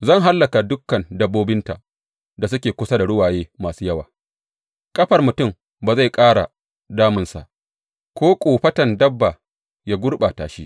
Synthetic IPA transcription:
zɐ˦˨ŋɦa˦lːɐ˨ka˨dʊ˦kːɐ˨ndɐ˦bːoː˦bɪ˦nta˨ | da˨s̬ʊ˦kʲeː˨kʷʊ˦sa˦da˨ɽʊ˦waː˨jeː˦maː˨suː˦jɐ˦waː˨ | kʼɐ˦ɸɐ˨rmʊ˨tʊ˦˨m | baː˨za˦˨jkʼaː˦ɽa̰˨ | daː˦mʊ˨nsa̰˨ʔ | kʷoː˦kʷʼoː˨ɸɐ˦tɐ˨ndɐ˦bːa˨ | ja˦ɡʷʊ˦rɓa˨ta̰ː˨ʃi˦

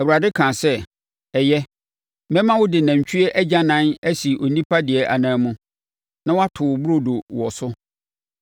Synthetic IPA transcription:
ɛ˨wu˨ɾa˨dɪ˦kʰã˨sɛ˦ | ɛ˨jɛ˦ | mɛ̃˦mã˦wʊ˦dɪ˨nã˨ɲ˨t͡ɕʰᶣɥɛ˦ʔɛ˦d͡ʑa˦nã˦næ˦si˨ʔo˨nĩ˦pʰa˦dɪ˨ɛ˨ʔa̰˨nãː˨˦mũ˦ | nã˦wa˦tʰʊ˨bu˦ɾo˨do˨wɔ˨sʊ˦

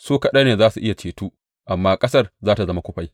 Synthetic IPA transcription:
soː˦kɐ˨ɗɐ˦neː˨zaː˦su˨ʔɪ˦ja˨t͡ʃeː˨tuː˦ | ʔa˨mːaː˦kʼɐ˦sɐ˦rzaː˦ta˨zɐ˦ma˦kʷʊ˦ɸa˦j

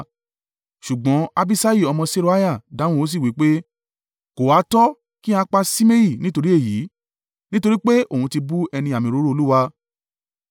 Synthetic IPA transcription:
ʃu˨ɡ͡bɔ̃˨˦a˧bi˦sa˦ji˦˨ɔ˧mɔ̃˧se˦˧ɾo˦a˦ja˦˨dã˨˦ũ˦o˦s̬i˦˨wi˨˦k͡pe˦ | ko˨wa˨˦tɔ˦ | ki˦a˧˦k͡pa˧si˦me˦ji˦˨nĩ˦to˧ɾi˦e˦˨ji˨˦ | nĩ˦to˧ɾi˦k͡pe˦o˦˨ũ˧ti˧bu˦ɛ˧nĩ˧a˨mĩ˨˧ɾo˨˦ɾo˦o˧lu˦wa˧

